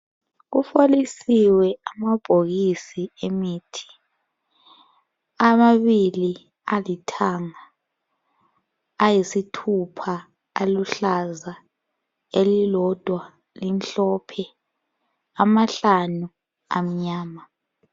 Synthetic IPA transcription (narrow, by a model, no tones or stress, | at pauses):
k̬ufolisiwɛamab̥ʱoɣisiemiːtʰi̥ | amaβili | alitʰaːŋa | jisitʰupʰa | aluɬaza | elilɔd̥ʱwa | linɬɔpʰɛ | amaɬanu | a̰m̩ɲaːma